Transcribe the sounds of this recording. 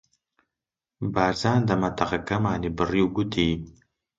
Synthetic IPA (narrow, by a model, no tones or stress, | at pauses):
baːɾzaːnd̪ɐmɐt̪ɐqakɐmaːnibɨriwɡut̪iː